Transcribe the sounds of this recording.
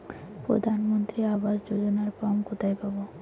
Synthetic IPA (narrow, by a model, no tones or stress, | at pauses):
pɾod̪ʱanmont̪ɾiabaʃd͡ʑod͡ʑonaɾpɔmkot̪ʰajpabo